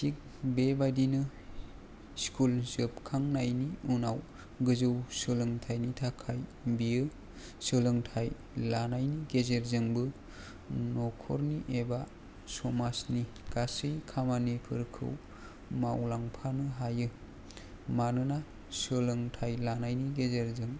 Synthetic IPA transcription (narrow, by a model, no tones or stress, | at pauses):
sik̚ | bebajdinɯ | skʰulzɯpkʰaŋnajniunaw | ɡɯzɯwsɯlɯŋtʰajnitʰakʰajbijɯ | sɯlɯŋtʰaj | lanajniɡezeɾzɯŋbɯ | nɔkʰɔ̰ɾniʔeba | sɔmasni | ɡ̥asɯjkʰamanipʰɯɾkʰɯ̰w | mawlaŋpʰanɯɦajɯ | manɯna | sɯlɯŋtʰajlanajniɡezeɾzɯŋ